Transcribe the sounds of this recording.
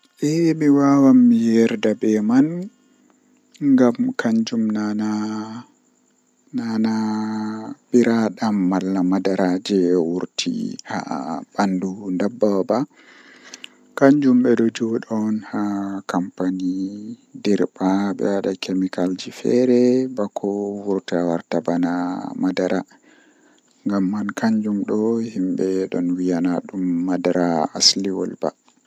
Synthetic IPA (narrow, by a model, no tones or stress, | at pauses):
ʔɛjmiwawamːijɛɾdabɛman | ŋɡamkʰaɲd͡ʒumnana | nana | ɓiɾaɗamːalːamadaɾad͡ʒɛwuɾtʰḭha̰bandundabːaba | kaɲd͡ʒumɓɛɗɔd͡ʒɔɗɔnhakampanidɛɾbaɓɛ̰waɗakʰemikald͡ʒifɛ̰ɾɛbakʰɔwuɾtawaɾtabanamadaɾa | ŋɡamːankaɲd͡ʒumɗɔhimbɛɗɔnwijanaɗumːadaɾaasliwɔ̰lba̰